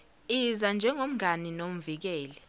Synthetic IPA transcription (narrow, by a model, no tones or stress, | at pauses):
izand͡ʒʱɛŋom̩ɡʱaninom̩vik̬ɛːlɛ